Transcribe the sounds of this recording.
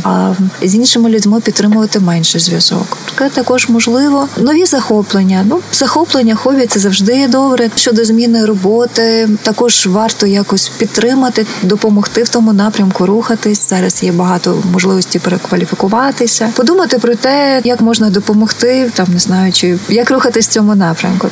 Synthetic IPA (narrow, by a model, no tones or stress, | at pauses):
ɐzʲinʲʃɪmʊlʲʊdʲmɪpʲid̪t̪ːɾɪmʊʋɐt̪ɪmɛnʲʃɛzʲʋʲjɐzɔ̰kpɾɔ̥t̪ɛt̪ɐkɔʒmɔʒlˠɪʋɔnɔʋʲizɐxɔplˠenʲːɐnuz̥ɐxɔplˠenʲːɐxɔbʲisɛzɐwʒd̪ɪjɛd̪ɔbɾɛʃt͡ʃɔd̪ɔzʲmʲinɪɾɔbɔt̪ɪt̪ɐkɔʒ̥ʋɑrt̪ɔjɑkɔsʲpʲid̪̚t̪ːɾɪmɐt̪ɪd̪ɔpɔmɔxt̪ɪwt̪ɔmʊnɑpɾʲɐmkʊɾuxɐt̪ɪsʲz̥ɑɾɐsjɛbɐɦɑt̪ɔmɔʒlˠɪʋɔsʲtʲipeɾekʋɐlʲifʲikʊʋɑt̪ɪsʲɐpɔd̪umɐt̪ɪpɾɔt̪ɛjɐkmɔʒnɐd̪ɔpɔmɔxt̪ɪt̪ɑmneznɑjʊt͡ʃɪjɐkruxɐt̪ɪsʲt͡sʲɔmʊnɑpɾʲɐ̰mkʊ